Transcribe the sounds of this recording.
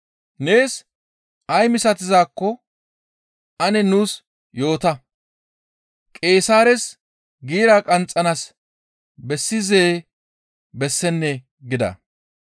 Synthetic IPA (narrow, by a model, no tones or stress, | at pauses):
ne̞ːs | ʔɐjmɪsɐt̪ɪzaːkːɔ | ʔɐnɛnuːs | jo̞ːt̪ɐ | kʼe̞ːsaːɾɛs | ɡiːɾaːkʼɐnt͡sʼːɐnas | bɛsːɪzeː | bɛsːɛnːɛ | ɡɪd̪ɐ̰